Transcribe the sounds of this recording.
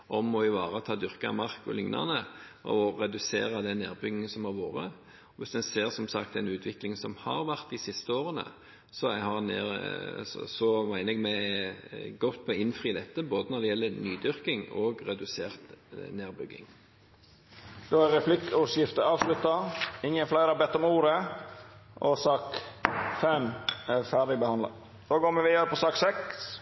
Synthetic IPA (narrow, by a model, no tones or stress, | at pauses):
ʔɔmːɔɪʋɑːɾət̪ʰɑːd̪ʏɾkɑmɑʁkɔ̰lʏŋnɑ̰nəʔɔʁɛd̪ʉsḛːɾəd̪ɛneːɾbʏɡɪŋəsɔmɑɾʋoːɾə̰ | ɔʋɪsd̪ɛnseːʁsɔmsɑkt̪ɛnʉːt̪ʰʋɪklɪŋsɔmhɑɾʋæʁt̪̚d̪ɪsɪst̪əoːɾənə̰ | sɔæhɑɾnḛː | sɔmæɪnəɛɡmɛ | ɡɔt̪pʰɔɪnfɾiːd̪ɛt̪ːəboːd̪ənɔd̪ɛɪjɛlːəɾnyːd̪ʏɾkɪŋoːɡɾɛd̪ʉseːʁt̪neːɾbʏɡːɪ̰ŋ | d̪̥oːæɾɾɛflɪkːʊsjɪft̪əɾɑːʋslʉt̪ːɑɪŋːənflæɪɾɑbɛt̪ːɔmuːɾə | ʔɔsɑːkfɛmæfæɖ̪ɪbəhɑnd̪ɑ̰ | d̪̥oːɡoːmɛʋɪːɾəpɔsɑːksɛks